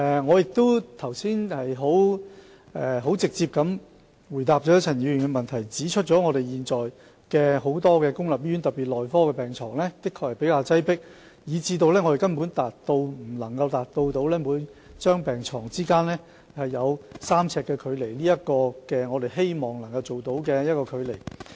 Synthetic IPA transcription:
ɛ˨˩ŋɔː˨˧jɪ˨k̚t̪o˥wt̪ʰɐ˨˩wsiː˥nhɐ˨jɦo˨˥w | ʔɛː˨ɦo˨˥wt͡sɪ˨k̚t͡siː˧p̚kɐ˨˥m | wu˨˩jt̪aː˨p̚t͡ʃɔ˨˥jɐ˥t͡sʰɐ˨˩njiː˨˧ɥy˨˩nkɛ˧mɐ˨nt̪ʰɐ˨˩jt͡siː˨˥t͡ʃʰɵ˥t̚t͡ʃɔː˨˥ŋɔː˨˧ɾe˨jjiː˨nt͡sɔː˨j | kɛː˧ɦo˨˥wt̪ɔː˥kɛː˧kʊ˥ŋlɐ˨˩p̚jy˥nt̪ɐ˨˩pːi˨˩t̚lɔː˨jfɔː˥kɛː˧pɛː˨˩ŋt͡sʰɔ̰ː˨˩ŋlɛː˥k̪ɪ˥kʰːɔː˧khɐ˨˩jpe˨˥jkaː˧wt͡sɐ˥jpɪ˥k̚ | jiː˨˧t͡siː˧t̪o˧wlɛː˥ŋɔ˨˧ɾe˨jkɐ˥npuː˨˥nt̪aː˨t̚t̪o˧wm̩˨˩lɐ˨˩ŋkɐ˧wt̪aː˨˩t̚t̪o˧wt̪o˨˥wlɛː˥muː˨˧˥nt͡ʃœː˥ŋpɛː˨ŋt͡sʰɔː˨˩ŋt͡siː˥kaː˥nlɛː˥ | hɐ˨jːɐ˨˧wsaː˥mt͡sʰɛː˧kːɛː˧kʰɵ˨˧ɥle˨˩jliː˥jɐ˥t̚kɔː˧kɛː˧ŋɔː˨˧ɾe˨jɦe˥jmɔː˨˩ŋnɐ˨˩ŋkɐ˧wt͡so˨wt̪o˨˥wkɛː˧jɐ˥t̚kɔː˧kʰɵ˨˧ɥle˨˩j

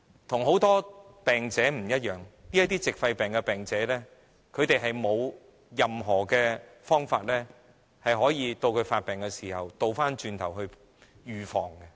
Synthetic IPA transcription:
t̪ʰʊ˨˩ŋɦo˨˥wt̪ɔː˥pɛː˨ŋt͡sɛː˨˥m̩˨˩jɐ˥t̚jœː˨ŋni˥ɐ˥t̪̚iː˥t͡sɪ˨k̚fɐ˧jpɛː˨˩ŋkɛ˧pɛː˨ŋt͡sɛː˨˥lɛː˥ | kʰɵ˨˧ɥt̪e˨jɦɐ˨jmo˨˧w | jɐ˨mɦɔː˨˩kɛː˧fɔː˥ŋfaː˧t̚lɛː˥ | hɐ˨jɦɔː˨˥jiː˨˧t̪o˧wkʰɵ˨˧ɥfaː˧t̚pɛː˨˩ŋkɛ˧siː˨˩hɐ˨wt̪o˨˧wfaː˥nt͡ʃyː˧nt̪ʰɐ˨˩whɵ˧ɥ | jyː˨fɔ̰ː˨˩ŋkɛ˧

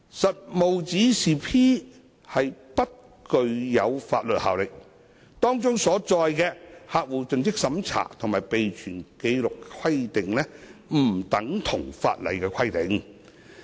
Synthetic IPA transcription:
sɐ˨t̚mo˨wt͡siː˨˥siː˨pʰiː˥ | hɐ˨jpɐ˥t̚ | kɵ˧ɥjɐ˨˧wfaː˧t̚lɵ˨t̚ha̰ː˨wlɪ˨k̚ | t̪ɔː˥ŋt͡sʊ˥ŋsɔː˨˥t͡sɔː˧jkɛː˧haː˨k̚wuː˨˩t͡sɵ˨ŋt͡sɪ˥k̚sɐ˨˧mt͡sʰa̰ː˨˩t̪ʰʊ˨˩ŋmaː˨˩jpe˨jt͡ʃʰyː˨˩nke˨˧jlʊ˨kkʰɐ˥jt̪ɪ˨ŋlɛː˥m̩˨˩t̪ɐ˨˥ŋt̪ʰʊ˨˩ŋfa̰ː˧t̚lɐ̰˨˩jkɛː˧kʰɐ˥jt̪ɪ˨˧˥ŋ

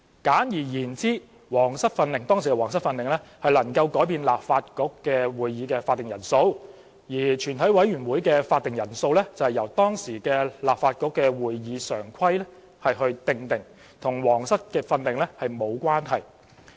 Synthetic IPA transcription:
kaː˨˥njiː˨˩jiː˨˩nt͡siː˥ | wɔː˨˩ŋsɐ˥t̚fɐ˧nlɪ˨˩ŋt̪ɔː˥ŋsi˨˩kɛ˧wɔː˨˩ŋs̬ɐ˥t̚fɐ˧nlɪ˨ŋlɛ˥hɐ˨jlɐ˨˩ŋkɐ˧wkɔː˨˥jpiː˧nlaː˨p̚faː˧t̚kʊ˨˥kːɛː˧wuː˨jːiː˨˧kɛː˧faː˧t̪̚ɪ˨ŋjɐ˨˩nso˧w | jiː˨˩t͡ʃʰyː˨˩nt̪ʰɐ˨˥jwɐ˨˥jɥyː˨˩nwuː˨˥jkɛː˧faː˧t̚t̪ɪ˨˩ŋjɐ˨˩nso˧wlɛ˥t͡sɐ˨whɐ˨jɐ˨˩wt̪ɔː˥ŋsiː˨˩kɛː˧laː˨p̚faː˧t̚kʊ˧˥kːɛː˧wuː˨jːiː˨˥sœː˨˩ŋkʰɐ˥jlɛ˥ | hɐ˨jhɵ˧ɥt̪ɪ˧ŋt̪ɪ˨ŋ | t̪ʰʊ˨˩ŋwɔː˨˩ŋsɐ˥t̚kɛː˧fɐ˧nlɪ˨ŋlɛ˥hɐ˨jmo˨˧wkʷwaː˥nɦɐ˨˩j

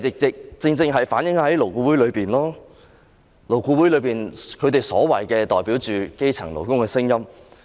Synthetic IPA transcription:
ɪ˨k̚t͡sɪ˨k̚t͡sɪ˧ŋt͡sɪ˧ŋɦɐ˨jfaː˨˥njɪ˨˥ŋhɐ˨˦˥jlo˨˩wkuː˧wu˨˥jlɵ˨˧ɥpiː˨nlɔː˥ | lo˨˩wkuː˧wu˨˥lɵ˨˧ɥpiː˨˩nkʰɵ˨˧ɥt̪e˨jsɔ̰ː˨˥wɐ˨˩jkɛː˧t̪ɔː˨˩jpiː˨˥wt͡ʃyː˨ke˥jt͡sʰɐ̰˨˩ŋlo˨˩wkʊ˥ŋkɛː˧sɪ˥ŋjɐ˥m

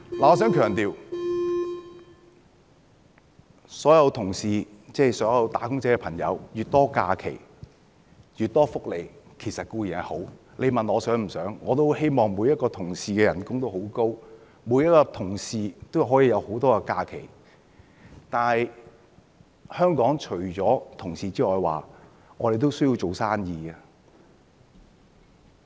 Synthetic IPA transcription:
laː˨ɔː˨˧˥sœː˨˥ŋkʰœː˨˩ŋt̪iː˨w | sɔː˨˥jɐ˧wt̪ʰʊ˨˩ŋsiː˨t͡sɛː˥˩jsɔː˨˥ŋjɐ˨˧wt̪aː˨˥kʊ˥ŋt͡sɛː˥kɛ˧pʰɐ˨˩ŋjɐ̰˨˧wjyː˨t̚t̪ɔː˥ka̰ː˧kʰḛ˨˩j | jyː˨t̚t̪ːɔː˥fʊ˥k̚le˨˩jkʰe˨˩jsɐ˨t̚kuː˧ji˨˩nɐ˨˩ho˨˥w | le˨˧jmɐ˨nɔː˨˧sœː˨˥ŋm̩˨˩sœː˨˥ŋːɔː˨˧t̪o˥whe˥jmɔː˨ŋmuː˨˧jɐ˥t̚kɔː˧t̪ʰʊ˨˩ŋsiː˨kɛː˧jɐ˨˩nkʊ˥ŋt̪o˥who˨˥wko˥w | mu˨˥jɐ˥t̚kɔː˧t̪ʰʊ˨˩ŋsiː˨t̪o˥wɦɔː˨˥jiː˨˧jɐ˨˧who˨˥wt̪ɔː˥kɛ˧kaː˧kʰḛ˨˩j | t̪aː˨˧nhɐ˨j | hœː˥ŋkɔː˨˥ŋt͡ʃʰɵ˨˩ɥt͡sɔː˨˥t̪ʰʊ˨˩ŋsiː˨t͡siː˥ŋɔː˨jwa̰ː˨˩ | ŋɔː˨˧ɾe˨jt̪o˥wsɵ˥ji˧wt͡so˨wsaː˥njiː˧ɡaː˧

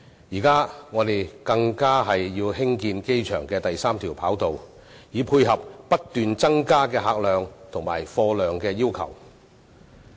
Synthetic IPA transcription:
jiː˨˩kaː˥ŋɔː˨˧t̪e˨jkɐ˧ŋkaː˥ɦɐ˨jːiː˧whɪ˥ŋkiː˧nke˥jt͡ʃʰœ̰ː˨˩ŋkɛː˧t̪ɐ˨jsaː˥mt̪ʰiː˨˩wpʰaː˨˥wt̪o˨w | jiː˨˧pʰuː˧jɦɐ˨p̚ːɐ˥t̚t̪yː˨nt͡sɐ˥ŋkaː˥kɛː˧ɦaː˨k̚lœː˨ŋt̪ʰʊ˨˩ŋmaː˨˩jfɔː˧lœː˨ŋkɛː˧jiː˥wkʰɐ̰˨˩w

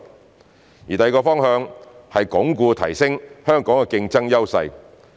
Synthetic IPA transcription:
jiː˨t̪ɐ˨˧jkɔː˧fɔː˥ŋhœː˧ŋhɐ˨jkʊ˨˥ŋkuː˧t̪ʰɐ̰˨˩jsɪ˥ŋhœː˥ŋkɔː˨˥ŋkɛ˨kɪ˧ŋt͡sɐ˥ŋjɐ˥wsɐ̰˧j

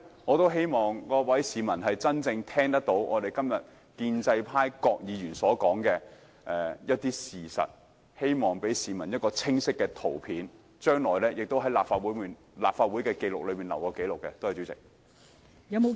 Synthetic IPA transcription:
ŋɔː˨˧t̪o˥wɦe˥jmɔː˨ŋkɔː˧˥wɐ˨˥jsiː˨mɐ˨˩nɦɐ˨jt͡sɐ˥nt͡sɪ˧ŋt̪ʰɛː˥ŋt̪ɐ˥k̚t̪o˨˥wʔɔː˨˧ɾe˨jkɐ˥mjɐ˨t̚ | kiː˧nt͡sɐ˧jpʰaː˥jkɔː˧k̚jiː˨˧ɥyː˨˩nsɔː˨˥kɔː˨˥ŋkɛː˧ | ʔɛ˨jɐ˥t̚t̪iː˥siː˨˩sɐ̰˨t̚ | he˥jmɔː˨˩ŋpe˨˥jsiː˨mɐ˨˩njɐ˥t̚kɔː˧t͡sʰɪ˥ŋsɪ˥kːɛː˧t̪ʰo˨˩wpʰiː˨˥n | t͡ʃœː˥ŋlɔː˨˩jlɛ˥jɪ˨k̚t̪o˥wɦɐ˨˥jlaː˨p̚faː˧t̚wuː˨˥miː˨˩n | laː˨p̚faː˧t̚wuː˨˥jkɛː˧ke˧jlʊ˨k̚lɵ˨˧ɥmiː˨nlɐ˨˩wkɔː˧ke˨˥jlʊ˨kːɛ˧t̪o˥whɐ˨˩t͡ɕy˨˥t͡sɪ̰˨k̚ | jɐ˨˧m˨

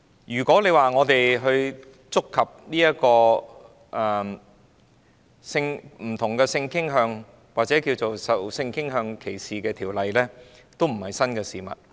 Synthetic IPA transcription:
jyː˨˩kʷɔː˨˥le˨˧jwaː˨ŋɔː˨˧t̪e˨jɦɵ˧ɥ | t͡sʊ˥kʰːɐ˨p̚niː˥jɐ˥kɔː˧ | ʔɛ˨˩ | sɪ˧ŋm̩˨˩t̪ʰʊ˨˩ŋkɛː˧sɪ˧ŋkɪ˥ŋɦœː˧ŋ | waː˨t̚t͡sɛː˨˥ki˧wt͡so˨wsɐ˨wsɪ˧ŋkɪ˥ŋɦœː˧ŋkʰe˨˩jsiː˨kɛː˧t̪ʰiː˨˩wlɐ˨jlɛ˥t̪o˥wm̩˨˩hɐ˨˩jsɐ˥nkɛː˧siː˨mɐ̰˨t̚

